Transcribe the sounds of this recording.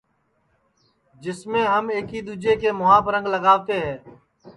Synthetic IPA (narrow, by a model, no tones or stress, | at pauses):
d͡ʒɪsmẽːɦəmeːkiːd̪uːd͡ʒeːkeːmʊɦãːpəɾə̃ŋɡləɡaːʋt̪eːɦɛ̃ː